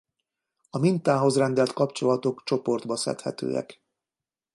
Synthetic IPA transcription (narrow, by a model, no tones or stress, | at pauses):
ɒmint̪aːɦo̞zrɛnd̪ɛlt̪kɒpt͡ʃo̞lɒt̪o̞kt͡ʃo̞po̞rd̪bɒsɛ̰t̪hɛ̰t̪ø̰ːɛ̰k